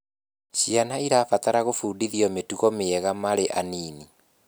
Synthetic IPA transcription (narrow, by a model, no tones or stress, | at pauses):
ɕianaiɾaːfataɾaɣofuːdiðiɔmetuɣɔmeɛɣamaɾeʔaniːni